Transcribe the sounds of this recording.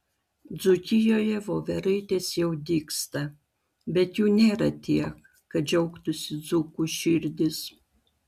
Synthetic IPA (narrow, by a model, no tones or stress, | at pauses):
d̪zʊkʲɪjoːjɛʋoːʋʲɛɾɐɪt̪ʲeːsjɛʊd̪ʲiːkst̪ɐ | bʲɛt̪juːnʲeːɾɐt̪ʲiɛkː | ɐd͡ʒʲɛʊkt̪ʊsʲɪd̪zukuʃʲɪɾʲd̪ʲɪs